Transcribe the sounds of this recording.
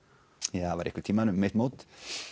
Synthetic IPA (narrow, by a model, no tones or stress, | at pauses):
jaːvaɾɪhkvɪt̪ʰiːmanʏmːeht̪mowt̪